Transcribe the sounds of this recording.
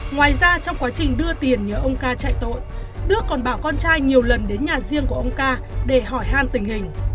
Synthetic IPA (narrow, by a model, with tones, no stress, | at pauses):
ŋwaː˨˩jzaː˧t͡ɕɔ˧wŋ͡mkwaː˨˦t͡ɕï˨˩ŋ̟ɗɨ˧ət̪i˨˩ənɲəː˨˦ʔə˧wŋ͡mkaː˧t͡ɕa̰ː˧˨jt̪o̰˧˨jɗɨ˦˥əkːɔ˨˩nɓaː˧˩wkɔ˧nt͡ɕaː˧jɲi˨˩əwlə˨˩nɗe˨˦nɲaː˨˩zi˧əŋku˧˩əʔə˧wŋ͡mkaː˧ɗe˧˩ɦɔ˧˩jɦaː˧˩nt̪ï˨˩ŋ̟hï˨˩ŋ̟